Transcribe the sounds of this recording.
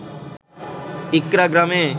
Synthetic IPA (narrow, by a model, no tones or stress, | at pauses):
ɪkɾaɡɾame